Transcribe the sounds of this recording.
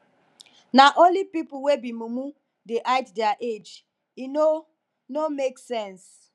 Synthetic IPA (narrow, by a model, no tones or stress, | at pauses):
naʔõnlipipʊwebimumu | deʔaɪtdɛaʔed͡ʒ | ino | nomeksɛ̃ns